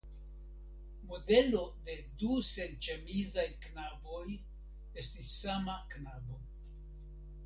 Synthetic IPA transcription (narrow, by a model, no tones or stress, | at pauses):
mo̞de̞lo̞de̞duse̞nt͡ʃemizajknabo̞j | e̞stisːamaknabo̞